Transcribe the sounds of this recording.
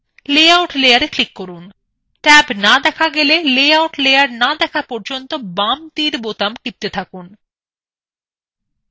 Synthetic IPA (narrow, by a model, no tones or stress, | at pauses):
leawʈlejaɾeklikːɔɾun | ʈɛbnad̪ɛkʰaɡelelejawʈlejaɾnad̪ɛkʰapɔɾd͡ʑont̪obamt̪iɾbot̪amkip̚t̪et̪ʰakun